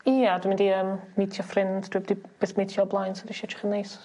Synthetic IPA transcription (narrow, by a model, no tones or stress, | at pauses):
iːadwɪmɪndiəːmːitʰjɔfrɪndd̥wibdib̥ɛsmitʰjɔblˠajnsʰɔdiʃɛt͡ʃʰɪ̥χənːejs